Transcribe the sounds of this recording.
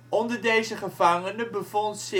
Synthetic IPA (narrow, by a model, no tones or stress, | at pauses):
ʔɔndəɹdejzəχəvɑŋənəbəvɔntsɪ